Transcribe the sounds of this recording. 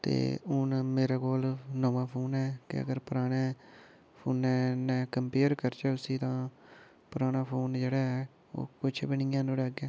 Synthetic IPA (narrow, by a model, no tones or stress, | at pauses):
t̪ḛːʊnmeːɾaːkoːlnɔ̃ːʋãːpʰoːnɛːkɪ̰ə̰ɡəɾpʊɾaːɽeː | pʰoːnɛːnɛ̃ːkəmpeːəɾkəɾt͡ʃəːʊsiːt̪ãː | pʊɾaːnaːpʰoːnd͡ʒeːɽaːɦɛː | o̰ːkʊt͡ʃʰbɪnɪːãːnõːɾɛːɡɛ̃ː